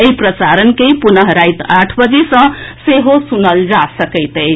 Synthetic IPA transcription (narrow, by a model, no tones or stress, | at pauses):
eipɾəsaɾənkejpunʌɦɾajt̪aʈʰbʌd͡zesʌ̃seɦosunʌld͡zasəkəɪt̪əj